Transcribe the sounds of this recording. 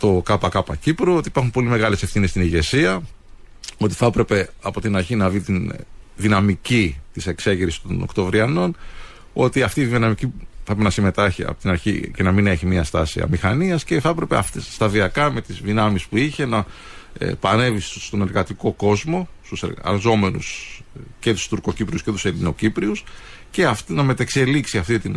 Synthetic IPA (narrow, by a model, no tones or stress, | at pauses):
t̪o̞kɐpɐkɐpɐcipɾoo̞t̪ipɐɾxumpo̞lime̞ɣɐle̞sefθinest̪iniʝe̞siɐ | o̞t̪i̥θɐpɾe̞pe̞ɐpo̞t̪inɐɾçinɐvit̪inðinɐmicit̪ise̞kse̞ʝiɾisi̥st̪o̞̰no̰kt̪o̞vɾiɐno̞n | o̞t̪iɐft̪iːðinɐmiciθɐɾepenɐsime̞t̪ɐçiɐ̰po̥t̪inɐɾçḭcenɐmine̞çimiɐst̪ɐsḭɐ̰mixɐniɐsceθɐpɾe̞peɐ̰ft̪est̪ɐðiɐkɐme̞t̪izðinɐmispuiçe̞nɐ̰ | pɐne̞visst̪o̞ne̞ɾɣɐt̪iko̞ko̞zmo̞st̪useɐ̰lzo̞me̞nṵs | ce̞t̪u̥st̪uɾko̞cipɾiusce̞t̪u̥se̞lino̞cipɾius | ce̞ɐft̪inɐme̞t̪ekse̞liksiɐft̪it̪in